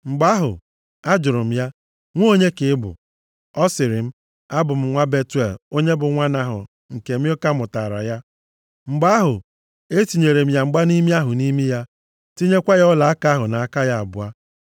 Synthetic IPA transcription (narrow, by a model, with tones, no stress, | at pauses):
ŋ͡m̩˨ɡ͡ba˦ɦʊ̰˨ | a˦d͡ʒʊ˨ɾʊ˨m̩˦ja˦ | ŋʷ˦o˦o˦ɲe˦kɪ˨˦ɪ˦bʊ̰˨ | ɔ˦sɪ˨ɾɪ˨m̩˦ | a˦bʊ˨m̩˦ŋʷa˦be˦tu˦e˨lo˦ɲe˦bʊ˨ŋʷa˦na˨ɦʊ̰˨ | ŋ̩˨ke˨m̩˦o˦ka˦mʊ˨ta˨ɾa̰˨ja˦ | ŋ͡m̩˨ɡ͡ba˦a˦ɦʊ˨ | e˦ti˨ɲe˨ɾe˨m̩˦ja˨ŋ͡m̩˨ɡ͡ba˦ni˦mi˦a˦ɦʊ˨ni˦mi˦ja˦ | ti˦ɲe˦kʷa˦jɔ˦la˨a˦ka˦ɦʊ˨na˨a˦˨ka˦ja˦a̰˨bʊ˨a˦